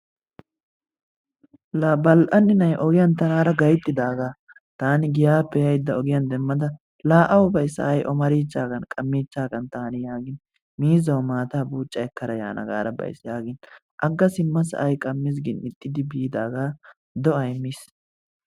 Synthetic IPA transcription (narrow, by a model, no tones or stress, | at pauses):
labɐlʔɐnːɪnɐjʔɔɡɪjɐnt̪ɐnaːɾɐɡɐjt̪ʼːɪd̪aːɡaː | t̪aːnɪɡɪjaːpːɛjɐjd̪ːɐɔɡɪjɐnd̪ɛmːɐd̪ɐ | laːʔɐwʊbɐjsɐ̰ʔɐjʔɔmɐɾiːt͡ʃːaːɡɐnkʼɐmːiːt͡ʃːaːɡɐnt̪aːnɪjaːɡɪn | miːzɐwmaːt̪aːbuːt͡ʃʼːɐɛkːɐɾɐja̰ːnʔɐ̰ɡa̰ːɾɐbɐ̰jsjaːɡɪn | ʔɐɡːɐsɪmːɐsɐ̰ʔɐjkʼɐmːɪs̬ɡɪnɪt̪ʼːɪd̪ɪbiːd̪aːɡaː | d̪ɔɐjmːis